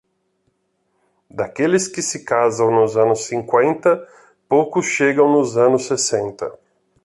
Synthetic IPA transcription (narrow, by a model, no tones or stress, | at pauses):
d̪akelɪskɪsɪkazɐ̃w̃nʊzɐ̃nʊsːĩŋkwẽnt̪ɐ | powkʊsʃeɡɐ̃w̃nʊzɐ̃nʊsːesẽnt̪ɐ̰